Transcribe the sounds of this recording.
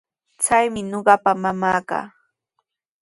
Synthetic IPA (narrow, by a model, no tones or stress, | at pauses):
t͡sajmɪɲoɢɑpamamaːka̰ː